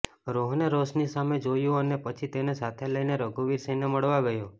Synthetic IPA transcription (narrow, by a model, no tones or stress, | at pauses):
ɾoɦneɾosnisamed͡ʒojũənepət͡ʃʰit̪enesat̪ʰeləjneɾəɡuʋiɾsəineməɭʋaɡəjo